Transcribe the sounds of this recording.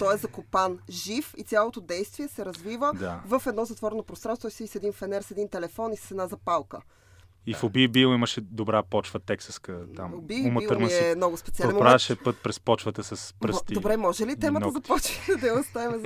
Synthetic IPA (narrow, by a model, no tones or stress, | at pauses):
t̪ɔɛzɐkopanʒifit̪sʲjalˠot̪od̪ɛjst̪viɛsɛɾɐzvivəd̪avəfɛd̪nɔzɐt̪vɔɾɛnopɾosɾanɔjsivisɛd̪infɛnɛɾsɛd̪int̪ɛlɛfɔnissɛd̪nazɐpalˠkə | ifobibilˠiməʃɛd̪obɾapɔt͡ʃvət̪ɛksəskət̪a̰mobimɛmnɔɡʊspɛt̪ialɛnpɾaʃɛpɤt̪̚pɾɛspɔt͡ʃvət̪əsɐspɾt̪d̪obɾɛmɔʒɛlit̪ɛmət̪əzɐpɔt͡ʃiɛd̪ɐjost̪avimɛ